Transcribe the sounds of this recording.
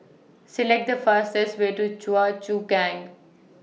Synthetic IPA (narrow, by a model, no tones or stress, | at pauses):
sɪlɛk̚ʈ̚d̪əfəːsʈesʋeːʈut͡ʃuat͡ʃuːɡæ̃ŋɡ